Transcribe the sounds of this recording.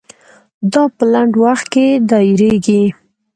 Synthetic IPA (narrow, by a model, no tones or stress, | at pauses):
d̪ɑpəlaɳɖwaxt̪̚ked̪ɑɪɾeɡi